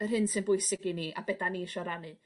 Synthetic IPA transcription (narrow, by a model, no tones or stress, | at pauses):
ərɦɪnsɨnbʊɨsɪɡiniʔa̰bɛdaniʃɔɾanɨ